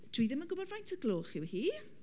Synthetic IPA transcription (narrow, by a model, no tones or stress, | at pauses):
d̥ʰiːðɪmənɡʊbɔdvajntʰəɡlˠoːχɪwhiː